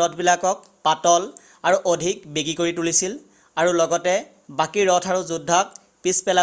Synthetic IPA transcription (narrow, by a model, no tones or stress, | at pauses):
ɔtʰbilakɔk̚ | patɔl | aɹuʔodʱik̚beɡikoɹitulisil | aɹulɔɡɔtɛ | bakiɹɹɔtʰaɹuzudʱːɔk̚ | pispɛla